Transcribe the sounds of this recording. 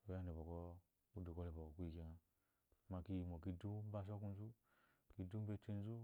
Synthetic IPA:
o˨ja˦ni˨bo˨ko˦ | u˦du˨ko˦le˨bo˨o˨ku˦i˦˨ki˨a˨ | ma˨ki˦ji˨mo˨ki˦du˦ba˦s̬o˦ku˦n˦zu˦ | ki˧du˦be˦t͡ʃi˦n˦zu˦

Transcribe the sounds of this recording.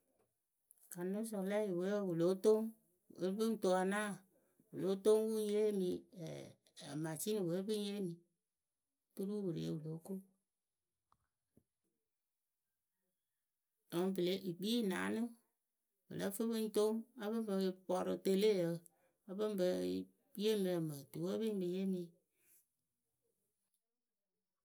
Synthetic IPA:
ka˨no˦s̬ɔ˨la˦ji˨we˨˦˨wu˨lo˨˦to˦ŋ | e˨˦bɨ˦n˦to˨a˨naː˦˨ | wu˨lo˦to˦ŋ˦wu˦je˦mḭ̃˧˨ | a˨ma˨t͡ʃi˦ni˨we˨˦bɨ˦e˦mi˨ | tu˦ɾu˦wɨ˨ɾḛ˨ḛ˨˦wu˨lo˨˦ko˦ | o˨ŋ˨˦bɨ˨le˦ʔi˨k͡pi˦˨na̰˨˦nɨ˦ | wɨ̰˨lə˦fɨ˦bɨ˦n˦to˦ŋa˦βɨ˦m˦bə˧pɔ˨ɾɨ˧te˦le˦jə˨˧ | a˦bɨ˦m˦bə˧˦ | bi˦e˦mi˨a˨mə˨tu˨wə˦bɨ˦bɨ˧je˦mi˧

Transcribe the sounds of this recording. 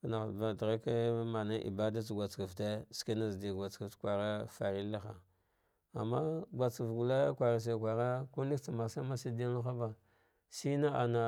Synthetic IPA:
na˨va˨dɾa˦ka˦ma˨na˦ʔḭ˨ba˦da˦t͡ʃɡʷa˨t͡ska˨vte˦ski˦na˦zdi˨ɡʷa˨t͡ska˨tkʷa˨ɾa˦fa˨ɾi˦la˦xa̰˨ | a̰˨mːa˦ɡʷa˨t͡si˨vɡu˨la˦kʷa˨ɾa˨s̬e˨kʷa˨ɾa˦ku˦li˦kt͡sa˨ma˨sa˦ma˦si˦di˦a˦la˦xa˦ba˨ | si˦na˦a˨na˨

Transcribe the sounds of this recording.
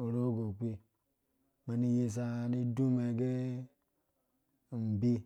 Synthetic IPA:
o˨ɾo˦ɡo˨k͡pi˦ | me˨ni˦je˦s̬a˨ni˦du˦me˨ɡe˦˨ | m̩˨bi˦

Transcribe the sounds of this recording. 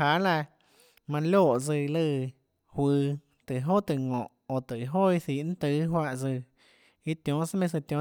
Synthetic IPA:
ha˧˦la˧ | mã˧lo˧˨ʔd͡zɨ˧˨˧lɨ˧˨ | hwɨː˧ | t̪ɨ˨ʔɦo˦ʔt̪ɨ˧˨ŋɔ̃˨ʔo˧˨t̪ɨ˨ɦo˦i˧θi˨ʔn̩˦t̪ɨ˧˦ɦwa˧ʔd͡zɨ˧˨ | i˧t̪jõ˨˧˦sa˦mẽ˧s̬ɨ˧t̪jõ˧˦

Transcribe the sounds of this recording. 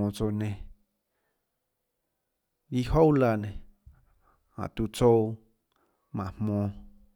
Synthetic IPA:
õ˧t͡so˧nẽ˧ | ji˧ho˦wla˧nẽ˨ | hã̰˨t̪u˧t͡so˦ | mã˨hmõ˧

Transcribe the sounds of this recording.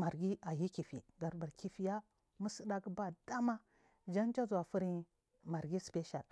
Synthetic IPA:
ma˨ɾɡi˦a˨ji˦ki˨fḭ˨ɡa˨ɾba˨ɾkʰi˨fi˨˦ja˦ | mu˦sə˦da˦ki˦ba˦d̥a˦ma˦ | d͡ʒa˦nt͡ʃa˦zu˨wa˨fu˦ɾi˦ | ma˨ɾɡi˦spe˦ʃa̰˨l

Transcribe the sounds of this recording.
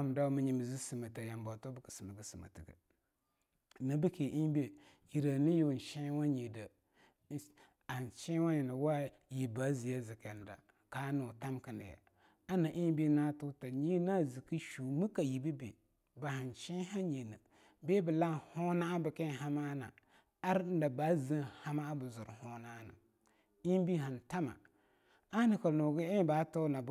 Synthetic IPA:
a˦˨m˨da˦mi˦ɲi˨m˨zi˦si˨ma˨ta˨ja˨mba˨to˦bə˦kə̥˨si˨ma˨ɡə˨si˨ma̰˨ti˨ɡə̰˨ | na˨bi˦ki˨ʔi˦be˨ | ji˨ɾa˨ni˦jo˨n˨ʃi˦wa˦ɲe˨da˨˦ | a˨t͡ʃĩ˦wa˦ɲi˨na˨wa˦ | ji˨ba˨˦zi˨ja˦zi˨kɛ˨n˨da̰˨ | ka˦nu˨ta˦mki˨nḭ˨ja̰˨ | a˦na˨ʔi˦m˦bi˦na˦tu˦ta˨ɲi˦na˦zi˨ki˦ʃu˨mɨ˦ka˨ji˨bi˦bḛ˨ | ba˨ha˨n˨t͡ʃĩ˦ɦa˦ɲe˨nɨ˨ | be˦bɨ˨la˦ho˦na˦bɨ˨kɛ˦˨ɦa˦ma˦na̰˨ | a˦ɾn˦da˨ba˦zi˦ha˦ma˦bɨ˨zʊ˨ɾho˦na˦na̰˨ | i˦m˦bi˦ɦa˨nta˦ma̰˨ | a˦nɨ˨ka˨no˨ɡi˦e˦ba˨˦to˦na˨b

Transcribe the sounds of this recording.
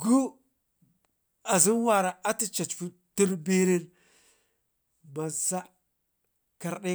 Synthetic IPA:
ɡu˦ | a˨zi˦nwa˨ɾa˨ʔa˦ti˦t͡ʃa˨t͡ʃfu˦ | ti˦nbi˦ɾi˦n | ma˨sa˦ | ka˨ɾɗe˦

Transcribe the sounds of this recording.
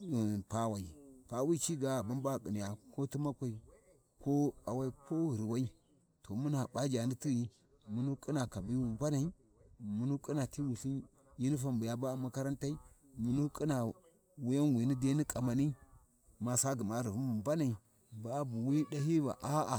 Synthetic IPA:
pa˦wa˨i˨pa˦wi˦t͡ʃi˦ɡa˨a˨ba˦nba˦˨ki˨ni˨ja˨ko˦ti˦ma˦kʷa˨i˨ | ko˦a˨wa˦i˦ko˦i˨ɾwa˦i˦ | to˨mu˦na˨ba˦d͡ʒa˨ni˦ti˦ji˦ | mu˦nu˦kʼi˦na˨ka˨bi˦wu˨mba˦na˨i˦ | mu˨nu˦kʼi˦na˨ti˦wu˨ɬi˦n | ji˦ni˦fa˦mbu˨ja˦ba˦˨ma˦ka˦ɾa˦nta˦i˦ | mu˨nu˦kʼi˦na˨ | wu˦ja˦nwi˨ni˦de˦ni˦kʼa˨ma˨ni˦ | ma˨sa˦ɡi˨ma˦ɾi˨vu˦mu˨mba˦na˨i˨ | ba˦bu˨wi˦da˦ɦi˦va̰˨ʔa˦a˨

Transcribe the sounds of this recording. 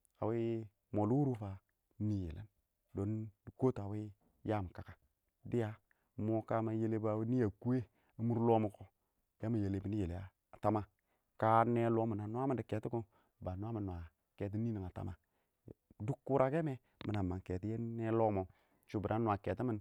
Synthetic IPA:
a̰˨wi˦ | mo˨lu˦wu˦ɾu˦fa˨˦ | ni˨jḛ˨lḛ˦n | do˨ndko˦ta˨wi˦ | ja˦m˨ka˨ka˦ | di˦ja˨˦ | mo˦ka˦ma˨je˦le˦ba˨wi˦ni˦ja˨ku˦e˦ | a˨˦mu˦ɾlo˦mo˨ko˦ | ke˦ma˨je˨le˨bi˦ni˦je˨le˨a˨ | ta˦ma˨ | ka˦ne˦lo˦mu˨na˨n˦a˦mi˨ndi˨ke˨ti˦ku˦ | ba˨n˦a˦mi˨nːwa˨ | ke˨t̬i˦ni˦ni˨ŋa˨ta̰˦ma˨ | du˦kːu˦ɾʔa˦ke˦me˦ | mi˨na˨ma˨ŋke˨ti˦e˦ne˦lo˦mo˨ | t͡ʃu˨bi˨ɾa˦nwa˨ke˨ti˦mi˦n

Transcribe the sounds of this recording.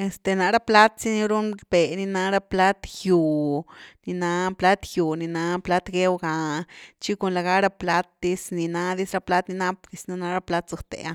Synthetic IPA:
e˨st̪e˨na˧ɾa˦pla˦t̪si˦ni˧ɾu˦nb̥e˨ni˧na˧ɾa˦pla˦t̪ju˨ni˧na˧pla˦t̪ju˨ni˨na˧pla˦t̪ɡe˦wɡa˨t͡ʃi˦ko˧nla˨ɡa˦ɾa˦pla˦t̪̚d̪i˦sni˨na˧d̪i˦sɾa˧pla˦t̪ni˧na˦pɡi˧sna˧na˧ɾa˦pla˦t̪so˧t̪ḛ˨a˧

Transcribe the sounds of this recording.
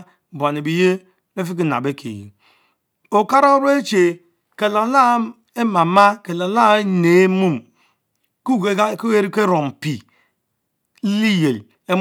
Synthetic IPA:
ba˨ne˨bi˨je˦ | ne˦fi˦k̬i˦na̰˨be˦kʰḛ˨jḭ˨ | o˨ka˦ɾo˦ɾe˦t͡ʃe˨ | ke˨la˨˦la˦ | e˦ma˨ma˦ke˨la˨la˦ne˨e˦mu˦m | ku˦˨ɡe˦ɡa˦ko˦je˦ɾi˦ke˦ɾo˨m˨pi˨˦ | li˦je˨l | e˦

